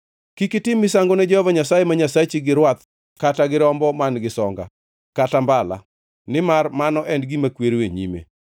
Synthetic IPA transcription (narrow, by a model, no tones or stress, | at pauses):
kikɪtɪmːɪs̬aŋɡonɛd͡ʒɛhɔvaɲasajemaɲasat͡ʃiɡɪɾwat̪̚ | kataɡɪɾɔmbɔmanɡɪsɔŋɡa̰ | katambala̰ | nɪmarmanɔʔɛndɡimakweɾweɲḭmḛ